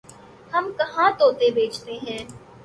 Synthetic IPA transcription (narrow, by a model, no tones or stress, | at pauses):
hɐmkɐɦãt̪oːt̪ebeːt͡ʃt̪eɦɛ̃ː